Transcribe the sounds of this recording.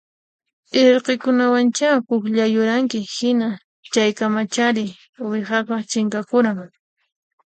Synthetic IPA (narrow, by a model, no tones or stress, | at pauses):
eɾqekʊnawant͡ʃapʊkʎajʊɾaŋkɪhɪna | t͡ʃajkamat͡ʃaɾɪ | wɪhɑqɑt͡ʃɪŋkakʊɾaŋ